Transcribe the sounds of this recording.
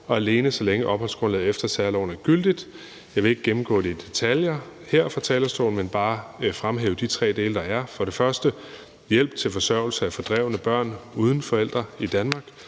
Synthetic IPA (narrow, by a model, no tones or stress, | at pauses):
ɒ̽æle̝ːnəsɒ̽leŋəʔɒ̽b̥hɒ̽lsɡ̥ʁɔnlɛð̩ˠefd̥ɐsæɐlɒʊ̰næɡ̥yl̰d̥id̥ | jɑ̈ɪʋe̝e̝ɡ̥̚ɡ̥emm̩ɡ̥ɔ̰ːd̥e̝d̥e̝t͡sʰæljɐheɐ̰fʁɑ̈t͡sʰɛːlɐsd̥o̰ːln̩menb̥ɑ̈ːfʁamɦeːʊd̥it͡sʰʁɛ̰ːd̥e̝̰ːləd̥ɑ̈æɐfɒ̽ɾe̝fɶɐsd̥ə | jel̰b̥̚t͡sʰe̝lfɒ̽sɶɐʊ̰l̩səæfɒ̽d̥ʁɛʊnəb̥ɶɐ̰nuːð̞ˠn̩fɒ̽el̰d̥ʁɐid̥ænmɑ̈ːɡ̥